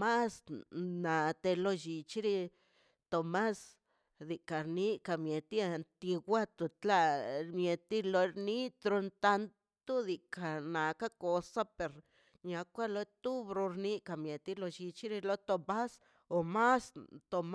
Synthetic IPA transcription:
ma˦sna˨t̪e˧lo˧ʃi˧t͡ʃi˦ɾi˧ | t̪o˧ma˦s | d̪i˨ka˨ɾni˦ka˨mje˨t̪i˦a˧nt̪i˧ɡʷa˦t̪u˧t̪la˧ɾmje˨t̪i˦lo˧ɾni˦t̪ɾo˧nt̪a˧n | t̪u˦d̪i˨ka˨na˨ka˦ko˧sa˦pe˨ɾ | ɲa˧kʷa˦lo˧˦t̪u˦bɾo˧ɾni˦ka˧˨mje˨t̪i˦lo˧ʃi˧t͡ʃi˦ɾi˧lo˦t̪o˧ba˦s | o˨ma˦st̪o˧m

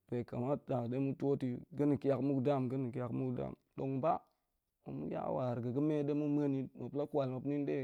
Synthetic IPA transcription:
ve˨ka˨ma˦da˨kde˦mu˦to˦ti˨ɡə˦ni˨ki˦ja˨kmu˦kda˦˨mɡə˦ni˨ki˦ja˨kmu˦kda̰˦˨mɗo˨ŋba˦ | mo̰˨mṵ˦ja̰˦wa˨ɾɡa˨ɡə˦me˦de˦mu˦m˦a˦ni˦ma˨pla˦kwa˨lma˨pni˦n˦de˦

